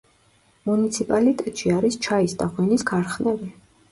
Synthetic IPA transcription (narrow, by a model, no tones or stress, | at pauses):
munit̪sʰipʼalit̪ʼɛt̪ʼʃiaɾist͡ʃʰaisd̪aʁwiniskʰaɾχnɛbi